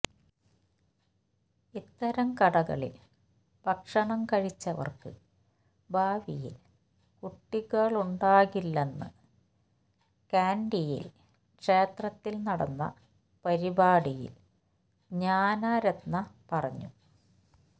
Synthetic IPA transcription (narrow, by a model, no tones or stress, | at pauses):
it̪ːɐɾɐmkɐɽɐɣɐ̰ɭḭl | bɐkʂɐɳɐmkɐɻit͡ɕːɐʋɐ̰rkɨ̰ | bʱaːʋijḭl | kuʈːiɣɐɭuɳɖaːɣilːenːɨ̰ | kaːnɖijḭl | kʂe̞ːt̪rɐt̪ːilnɐɽɐ̰nːɐ̰ | pɐɾibaːɽijḭl | ɲaːnaːɾɐd̪nːɐpɐrɐɲːu